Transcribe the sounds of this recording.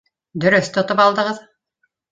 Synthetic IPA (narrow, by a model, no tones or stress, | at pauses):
d̪ɵ̆ɾɵθt̪ŏt̪opɑlˠd̪ɤ̆ʁɤð